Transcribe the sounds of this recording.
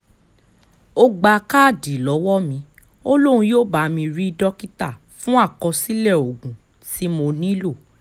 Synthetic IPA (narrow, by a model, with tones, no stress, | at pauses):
o˧ɡ͡ba˧ka˦˨di˨lɔ˨˦wɔ˦mĩ˧˦ | o˦lo˦ɾ̃ũ˧joː˦˨ba˨˧mĩ˧ɾi˦dɔ˦ki˦ta˦˨ | fũ˦a˦˨kɔ˧si˦lɛ˦˨o˨ɡũ˨ | ti˦mo˧nĩ˦lo˦˨